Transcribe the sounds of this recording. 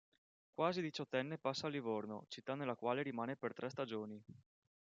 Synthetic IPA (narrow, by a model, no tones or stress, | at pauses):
kwaːzid̪it͡ʃɔt̪ːɛnːepasːaːlːivorno̰t͡ʃit̪ːanelːakwaːleɾimaːnepert̪ɾɛst̪ad͡ʒoːni